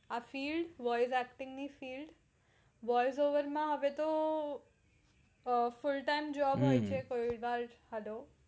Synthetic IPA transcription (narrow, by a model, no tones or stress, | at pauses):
afiːlɖʋɔjs̬ɛk̚ʈɪŋɡnifiːlɖ | ʋɔjs̬oʋəɾmãɦəʋet̪o | fʊlʈaimd͡ʒɔbɦojt͡ʃʰekoiʋaɾhɛlo